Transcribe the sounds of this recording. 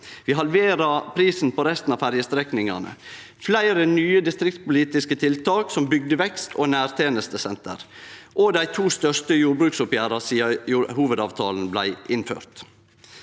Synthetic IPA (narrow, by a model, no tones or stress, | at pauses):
ʋiːɦɑlʋeːɾɑpʰɾiːsnpʰɔɾɛst̪n̩ɑːfæɾjəst̪ɾɛknɪŋɑ̰nə̰ | flæɪɾənyːəd̪ɪst̪ɾɪk̚t̪̚pʊliːt̪ɪskət̪ʰɪlt̪ʰɑːksɔmbʏɡ̚d̪əʋɛkst̪ʰoːnæːɾt̪ʰeːnəst̪əsɛnt̪ə̰ɾʔod̪æɪt̪ʰuːst̪œʂt̪əjuːɾbɾʉːksʊpjæːɾɑsiːɑjuːhuːʋəd̪ɑːʋt̪ʰɑːln̩blæɪʔɪnfø̰ːɾt̪